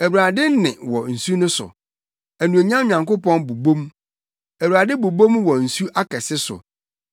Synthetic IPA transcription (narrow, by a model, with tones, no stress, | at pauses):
æ˨wɾa˨dɪ˦n˦nɪ̰̃˨wɔ˨n̩˨su˦nʊ̃˦sʊ̰˨ | æ˨nũ˨æ˨ɲã˦o˨ɲã˨ŋko˦pɔ̃˦nbu˨bõ˦m | æ˨wɾa˨dɪ˦bu˨bõ˦mwɔ˨n̩˨su˦ʔa˦kʰɛ˨sɪ˦sʊ̰˨